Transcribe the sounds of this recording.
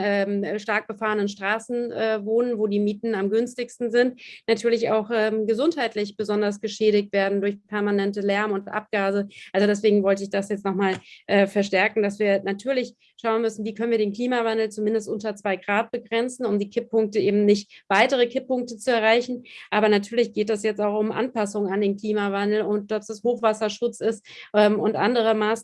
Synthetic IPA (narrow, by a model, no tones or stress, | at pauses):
ɛːmːʃtaɐk̚b̥əfaːʁənənʃtʁ̥aːsn̩ʔɛːvoːnənvoːdiːmiːtn̩amɡʏnstɪçstn̩zɪntnatʰyːɐlɪçaʊxʔɛːmɡəzʊnthaɪtlɪçb̥əzɔndɐsɡ̥əʃɛːɾɪk̚tv̥eːɐdn̩dʊɐçpʰɛɐmanɛntəlɛɐmʊntʔa̰p̚ɡ̥aːzəʔalzodɛsv̥eːɡŋ̩vɔltəɪçd̥asjɛt͡stnɔχmaːlʔɛːfɛɐʃtɛɐkŋ̩dasv̥iːɐnatʰyːɐlɪç | ʃaʊnmʏsn̩viːkʰœnənviɐdeːnkl̥iːmavandl̩t͡sumɪndəstʔʊntɐt͡sv̥aɪɡʁaːt̚b̥əɡʁɛnt͡sn̩ʊmdiːkʰɪpʰːʊŋk̚təʔeːbm̩nɪçtv̥aɪtəʁ̞əkʰɪpːʊŋk̚tət͡suɛɐʁ̞aɪçn̩ʔaːbɐnatʰyːɐlɪçɡ̥eːtɛsjɛt͡staʊxʊmʔa̰npasʊŋŋandeːnkl̥iːmavandl̩ʊtd̥ɔpsd̥ashoːxv̥asɐʃʊt͡sɪstʔɛːmʊntʔa̰ndəʁ̞əmaːs